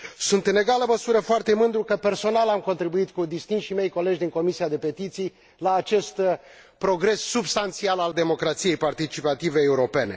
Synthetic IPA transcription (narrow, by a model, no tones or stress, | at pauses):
sunt̪ɨne̞ɡaləməsuɾəfoart̪e̞mɨnd̪ɾukəpe̞rso̞nalamko̞nt̪ɾibuit̪kud̪ist̪inʃime̞jko̞le̞d͡ʒʲd̪iŋko̞misiad̪e̞pe̞t̪it̪sij | laːt͡ʃe̞st̪ | pɾo̞ɡɾe̞sːubst̪ant̪sialald̪e̞mo̞kɾat̪sije̞jpart̪it͡ʃipat̪ive̞ːuɾo̞pe̞ne̞̰